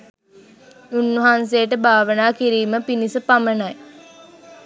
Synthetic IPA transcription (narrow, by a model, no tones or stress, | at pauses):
unːəɦans̬ejəʈəbʱaːʋənaːkiɾiːməpinisəpamənaj